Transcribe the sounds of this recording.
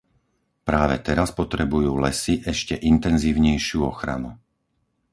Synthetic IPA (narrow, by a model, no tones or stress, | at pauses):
pɾaːʋɛt̪ɛɾaspɔt̪ɾɛbujuːlɛsiʔɛʃcɛʔint̪ɛnziːʊɲɛjʃɪuɔxɾa̰nu